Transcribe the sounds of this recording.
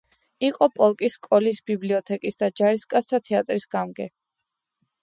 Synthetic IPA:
iqʼɔpʼɔlˠkʼiskʼɔlisbibliɔt̪ʰɛkʼisd̪ad͡ʒaɾiskʼast̪ʰat̪ʰɛat̪ʼɾisɡamɡɛ

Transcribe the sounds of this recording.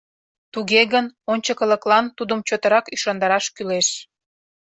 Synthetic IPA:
t̪uɣeɣənonʲt͡ɕəkə̆lə̆klɑnt̪ud̪əmt͡ɕot̪əɾɑkyʃɑnd̪ɑɾɑʃkyleʃ

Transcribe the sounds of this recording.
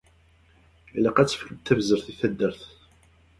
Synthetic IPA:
læqæt͡sːə̥fkəb̚t̪ːævzəɾθiθæd̪ːəɾθ

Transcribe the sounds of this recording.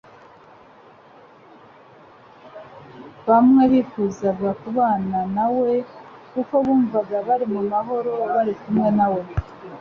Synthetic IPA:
βamŋe̞βifuːzaɡakuβaːnanawe̞kuko̞βuːɱvaɡaβaɾimumaɦo̞ɾo̞βaɾikumŋe̞nawe̞

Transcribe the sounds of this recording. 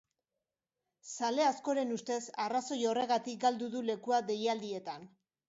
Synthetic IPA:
sale̞asko̞ɾe̞nust̪e̞saraso̞jo̞re̞ɣat̪ik̚ɡald̪uðule̞kuaðe̞jald̪ie̞t̪an

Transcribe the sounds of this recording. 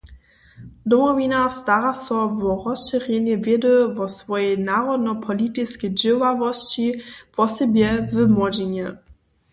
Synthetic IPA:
d̪ɔmɔvinast̪aɾasɔvɔʁɔsʃɛʁjɛɲɛvʲjɛd̪əvɔsvɔjɛjnaʁɔd̪nɔpʰɔlʲit̪ɪskɛjd͡ʑɛwavɔst͡ɕipɔsɛbʲjɛvɘmɔd͡ʑeɲɛ

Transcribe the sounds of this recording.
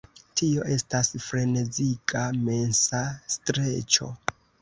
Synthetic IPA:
tʰio̞ʔe̞stasfɾe̞ne̞zikame̞nsastɾe̞t͡ʃo̞̰

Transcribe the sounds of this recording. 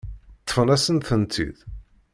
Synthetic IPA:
t̪ːə̥fənæsənθənt̪ḭð

